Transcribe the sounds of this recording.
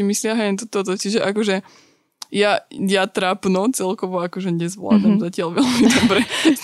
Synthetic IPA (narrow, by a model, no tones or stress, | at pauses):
imislɪaɦɛɛnt̪̬ɔt̪ɔt̪ɔt͡ʃiʒɛʔakɔʒɛ | jajat̪ɾapnɔt͡sɛlkɔʋɔakɔʒɛɲɛzʋla̰d̪amzacɪalʋɛlmid̪ɔbɾɛ